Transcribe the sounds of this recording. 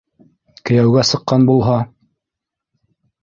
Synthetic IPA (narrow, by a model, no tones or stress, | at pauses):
kɘ̆jæwɡæsɤ̆qːɑnbulˠɦɑ